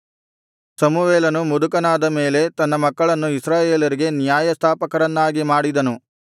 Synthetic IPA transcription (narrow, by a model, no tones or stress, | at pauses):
sɐmuʋeːlɐnumud̪ukɐnaːd̪ɐme̞ːle̞t̪ɐnːɐmɐkːɐɭɐnːuisɾaːjeːlɐɾiɡe̞nijaːjɐst̪ʰaːpɐkɐɾɐnːaːɡimaːɽid̪ɐnu